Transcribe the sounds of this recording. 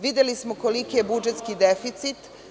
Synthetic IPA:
ʋid̪elismokolikijebud͡ʒet̪skid̪efit̪sit̪

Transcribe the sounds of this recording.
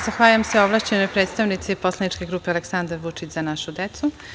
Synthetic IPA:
zaxʋaːʎamseoʋlˠaːʃt͡ɕenojpɾeːt̪st̪aʋnit̪sipo̞slˠanit͡ʃkʲe̞ɡɾuːpealeksand̪aɾʋut͡ʂit͡ɕz̥anaʃud̪et̪su

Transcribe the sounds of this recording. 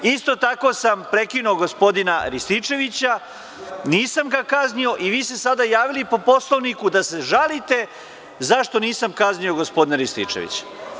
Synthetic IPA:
ist̪o̞t̪ako̞sampɾe̞kinuoɡo̞spo̞d̪inaɾist̪it͡ʃe̞ʋit͡ɕa | niːsamɡakaznio̞ʔiʋiːst̪e̞sad̪ajaːʋilipo̞po̞slˠoʋnikud̪ase̞ʒalit̪e̞ | zaʃt̪o̞niːsamkaznio̞ɡospo̞d̪ineɾist̪ḭt͡ʂḛʋḭt͡ɕḁ

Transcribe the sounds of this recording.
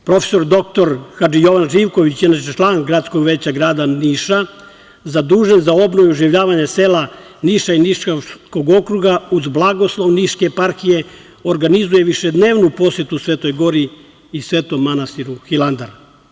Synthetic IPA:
pɾo̞fe̥so̞ɾd̪o̞k̚t̪o̞ɾxad͡ʒijo̞ʋanʒiːʋko̞ʋit͡ɕinaːt͡ʃet͡ʃlˠaːnɡɾat̪skoɡʋeːt͡ɕaɡɾaːd̪aniːʃa | zad̪uːʒenzao̞bnoʋuuʒiʋʎaːʋaɲaseːla | niʃainiʃkoko̞ɡo̞kɾuɡauzblˠaɡo̞slˠo̞ʋniʃkeːpaɾxije̞ | oɾɡanizuje̞ʋiʃed̪ne̞ːʋnupo̞sje̞t̪usʋe̞ːt̪o̞jɡo̞ɾiː | sʋe̞ːt̪omːanast̪iɾuxilˠand̪aɾa

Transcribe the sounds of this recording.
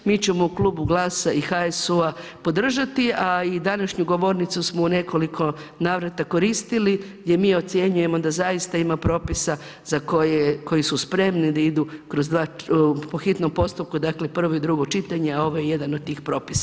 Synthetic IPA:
miːt͡ɕemo̞uklˠuːbuɡlˠaːsaixaesuapo̞d̪r̩ʒat̪iaid̪anaʃɲuɡo̞ʋo̞ɾnit̪susmo̞une̞ko̞likʰo̞naːʋɾat̪ako̞ɾist̪iliɡd̪ʲje̞miːo̞t̪sje̞ɲuje̞mo̞d̪azajist̪aimapɾo̞ːpisa | zakojeko̞jisuspɾe̞mnid̪aid̪ukɾo̞zd̪ʋaːpo̞xit̪no̞mpo̞st̪up̚kud̪akle̞pr̩ʋo̞id̪ɾuɡo̞t͡ʃit̪aɲeao̞ʋo̞jeje̞d̪anod̪̚t̪iːxpɾo̞ːpisa

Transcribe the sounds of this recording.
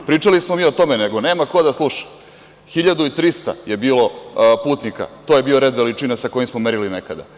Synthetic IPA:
pɾiːt͡ʂalismomiːot̪o̞mene̞ɡo̞neːmako̞d̪aslˠuʃḁ | xiʎad̪uit̪ɾist̪a̰je̞biːlo̞puːt̪nika̰t̪ojebiːo̞ɾe̞d̪ʋelit͡ʂinasako̞jimsmo̞meɾilinekad̪a̰

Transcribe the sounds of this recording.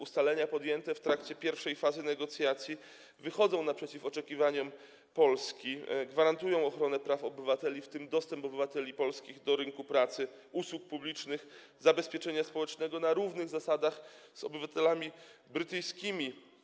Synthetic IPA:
ust̪alɛɲapɔd̪jɛnt̪ɛft̪ɾakt͡ɕɛpʲjɛɾfʂɛjfazɘnɛɡɔt̪sʲjat̪sʲji | vɘxɔd̪zɔ̃w̃napʂɛt͡ɕifɔt͡ʂɛkʲivaɲɔm | pɔlskʲiɡvaɾant̪ujɔ̃w̃ɔxɾɔnɛpɾafɔbɘvat̪ɛlʲift̪ɘmd̪ɔst̪ɛmpɔbɘvat̪ɛlʲipɔlskʲiɣd̪ɔɾɘŋkupɾat̪sɘ | uswuk̚publʲit͡ʂnɘx | zabɛspʲjɛt͡ʂɛɲaspɔwɛt͡ʂnɛɡɔnaɾuvnɘɣzasad̪axz̥ɔ̰bɘvat̪ɛlamʲi | bɾɘt̪ɘjskʲimʲi

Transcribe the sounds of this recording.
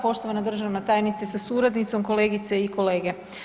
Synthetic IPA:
po̞ʃt̪oʋanad̪r̩ʒaʋnat̪aːjnit̪sesasuɾad̪nit̪so̞mko̞le̞ːɡit̪seiko̞le̞ːɡe

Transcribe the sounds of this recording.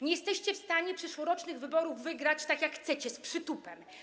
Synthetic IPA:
ɲɛjɛst̪ɛɕt͡ɕɛfst̪aɲɛpʂɛʂwɔɾɔt͡ʂnɘɣvɘbɔɾuvːɘɡɾat͡ɕt̪akʲjakxt̪sɛt͡ɕɛspʂɘt̪upɛm

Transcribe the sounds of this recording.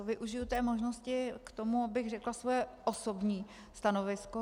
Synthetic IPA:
ovɪʔuʒɪjut̪ɛːmo̞ʒnoscɪkt̪o̞muabɪɣrɛklasvojɛʔosobɲiː | st̪ano̞vɪsko

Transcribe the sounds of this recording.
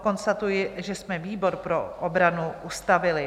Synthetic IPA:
ko̞nst̪at̪ujɪʒɛsmɛviːbo̞ɾpɾo̞ʔobɾanuʔust̪avɪlɪ

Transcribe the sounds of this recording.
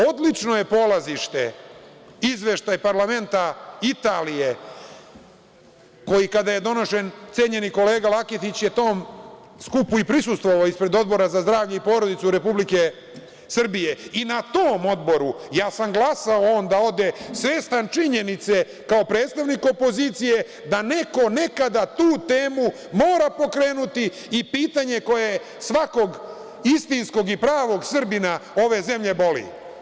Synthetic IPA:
od̪liʈ͡ʂno̞je̞po̞laziʃt̪e | izʋe̞ʃt̪ajpaɾlame̞nt̪ait̪aːlije̞ | ko̞jikad̪aje̞d̪o̞no̞ʃe̞nt̪se̞ːɲe̞niko̞le̞ːɡalakit̪it͡ɕje̞t̪o̞ːm | skupuipɾisust̪vʋo̞ʋaoːispɾe̞d̪o̞d̪̚bo̞ɾazazd̪ɾaːvʎeipo̞ːɾo̞d̪it̪suɾe̞publike | sr̩bijeinat̪oːmo̞d̪bo̞ɾujaːsamɡlasaooːnd̪ao̞d̪e̞sʋeːst̪ant͡ʃiɲe̞nit̪se̞ | kao̞pɾeːt̪st̪aʋniko̞po̞ziːt̪sije̞ | d̪ane̞ko̞ne̞kad̪at̪uːt̪e̞ːmu | mo̞ːɾapo̞kɾeːnut̪iː | piːt̪aɲe̞ko̞je | sʋako̞ɡ | ist̪insko̞ɡipɾaːʋo̞ɡsr̩binao̞ʋe̞ze̞mʎe̞bo̞lḭ

